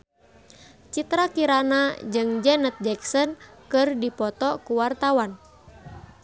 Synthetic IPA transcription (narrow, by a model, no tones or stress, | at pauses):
t͡ʃit̪ɾakiɾanad͡ʒɨŋd͡ʒɛnət̪̚d͡ʒɛksɔnkɨrdipɔt̪ɔkuwart̪awan